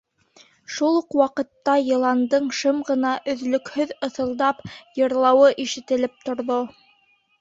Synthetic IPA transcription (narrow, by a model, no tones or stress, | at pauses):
ʃulˠuqwɑqɤ̆t̪ːɑjɤ̆lˠɑnd̪ɤɴʃɤmʁɤ̆nɑʔɵ̆ðlɵ̆khɵðɤ̆θɤ̆lˠd̪ɑpjɤ̆ɾlˠɑwɤʔiʃɘ̆t̪ɘ̆lɘp̚t̪ŏɾðo